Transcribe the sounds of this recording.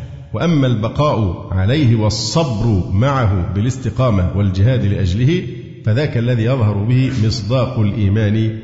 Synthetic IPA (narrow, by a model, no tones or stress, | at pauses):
waʔamːalbɑqɑːʔʊʕalajɦɪwɑsˤːɑbɾʊmaʕaɦʊbɪlɪst̪ɪqɑːmawald͡ʒɪɦaːd̪lɪʔad͡ʒlɪhɪ | faðaːkaʔlːaðiːjɑðˤhɑɾˤʊbɪhɪmɪsˤd̪ɑːqʊlʔiːmaːnɪ